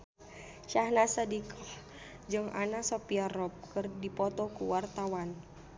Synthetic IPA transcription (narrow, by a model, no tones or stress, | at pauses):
ʃahnasadikɔ | d͡ʒɨŋʔa̰nasopiarɔp̚kɨrdipɔt̪ɔkuwart̪awan